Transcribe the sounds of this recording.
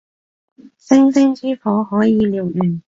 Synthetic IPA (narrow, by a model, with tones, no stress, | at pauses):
sɪ˥ŋsɪ˥ŋt͡siː˥fɔː˨˥ɦɔː˨˥jiː˨˧liː˨wjyː˨˩n